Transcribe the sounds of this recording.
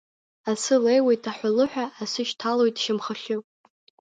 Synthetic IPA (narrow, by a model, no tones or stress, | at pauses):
asɨlejwe̞jtʰʼaħʷalɨħʷᶣaːsɨʃtʰalojtʼʃɪmχəɬʲɨpʼ